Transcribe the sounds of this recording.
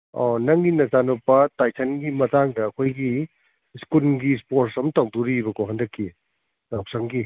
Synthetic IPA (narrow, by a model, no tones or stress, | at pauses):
ɔ̰nɐŋɡinɐzanopɐtajsʰɐnɡimɐtaŋdɐːkʰojɡi | skulɡispoɾsɐmtawduɾibɐkoɦɐndɐkʰːi | lawp̚sɐŋɡi